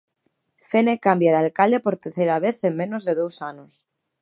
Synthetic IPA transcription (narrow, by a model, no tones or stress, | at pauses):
fenekambjaðalkald̪epo̞ɾt̪eɾθejɾaβeθemmẽ̞nozðe̞ðowsanos